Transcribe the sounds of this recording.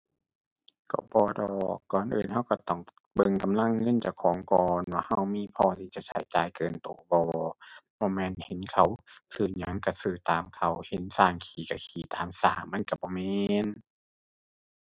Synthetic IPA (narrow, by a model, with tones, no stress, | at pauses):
kɔ̰˧˩bɔː˧˦dɔː˨˩kːɔː˨˩nʔɯ̰ː˨nɦa˧˩˨wka˧˩t̪ɔ˧˩ŋ | bɤ˧˨ŋka˧˨mla˧˥˨ŋːɤ˧˥˨nt͡ɕa˧˩wkʰɔː˨˦ŋkɔː˨˩nwaː˧˨ha˧˩˨wmiː˧˥˨pʰɔː˧˩t̪ʰiː˧˩t͡ɕa˧˨sʰa̰˨˦jt͡ɕaː˨jkɤː˧˨nt̪oː˧˦bɔː˧˦bɔː˧˦mɛː˧˥˨nhe˨˦nkʰa˧˩wsɯː˧˩ɲa˨˧˦ŋka˧˩sɯː˧˩t̪aː˨˦mkʰa˧˩whe˨˦nsaː˧˩ŋkʰiː˨˩ka˧˩kʰiː˨˩˦t̪aː˨˦msa̰ː˧˩mːa˧˥˨nka˧˩bɔː˧˦mɛː˧n